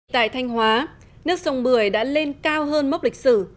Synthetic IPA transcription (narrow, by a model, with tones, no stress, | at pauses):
t̪a̰ː˧˨jt̪ʰa˧jŋ̟ɦwaː˨˦ | nɨ˦˥ək̚zə˨˧wŋ͡mɓɨ˧˩əjɗa̰ː˧˥le˧nkaː˧wɦəː˧nm˦˥wk͡p̚lï˨˩k̚sɨ̰˧˩